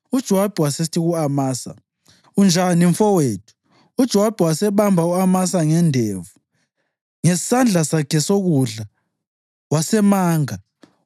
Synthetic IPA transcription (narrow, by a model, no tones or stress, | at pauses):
ud̥ʒ̥ʱɔwab̥ʱɛwasistʰiɣuamaːsa̰ | und͡ʒʱaniɱfɔweːtʰu̥ː | d̥ʒ̥ʱɔwab̥ʱɛwasɛβambʱauamasaŋɛndʱevu | ŋɛsand͡ɮʱasakʰɛsoɣuɮa | wasɛmaːŋa